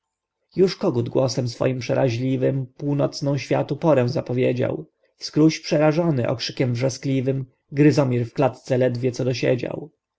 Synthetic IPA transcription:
juʂkɔɡud̪ɡwɔsɛmsfɔ̰jimpʂɛɾaʑlʲivɘmpuwnɔt̪snɔ̃w̃ɕfʲja̰t̪upɔɾɛ̃w̃zapɔvʲjed͡ʑa̰w | fskɾuɕpʂɛɾaʐɔnɘʔɔ̰kʂɘkʲɛmvʐɛsklʲivɘm | ɡɾɘzɔmʲiɾfklat̪t̪sɛlɛd̪vʲjɛt̪sɔd̪ɔɕḛd͡ʑa̰w

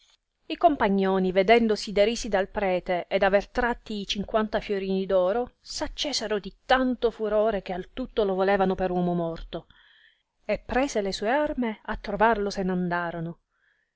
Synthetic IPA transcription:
ikompaɲːoːnived̪ɛnd̪osid̪eɾiːsid̪alpɾɛːt̪eʔed̪avert̪ɾat̪ːiːt͡ʃiŋkwant̪afjoɾiːnid̪ɔːɾosat͡ʃːeːseɾod̪it̪ant̪ofuɾoːɾekealt̪ut̪ːolovoleːvanopeɾwɔːmomɔrt̪o | epːɾɛːselesuːearmeat̪ːɾovarlosenand̪aːɾono

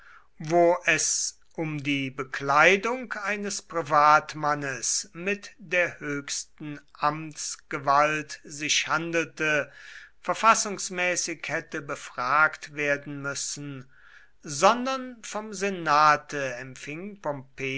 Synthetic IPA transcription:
voːʔɛs | ʔʊmdiːbəklaɪdʊŋkʔaɪnəspʁ̥ivaːtmanəsmɪtd̥eːɐhøːçstn̩ʔamtsɡ̥əvaltz̥ɪʃhandl̩təfɛɐfasʊŋsmɛːsɪkhɛtəbəfʁ̥aːktv̥eːɐdn̩mʏsn̩ | zɔndɐnfɔmzenaːtʰəɛmfɪŋpɔmpeː

